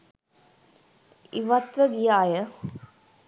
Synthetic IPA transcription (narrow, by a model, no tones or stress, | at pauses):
iʋat̪ʋəɡijaːjə